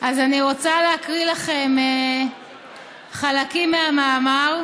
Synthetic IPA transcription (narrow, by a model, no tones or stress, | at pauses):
ʔazaniʁot͡saleakʁilaχe̞me | χalakimːeamaːmaʁ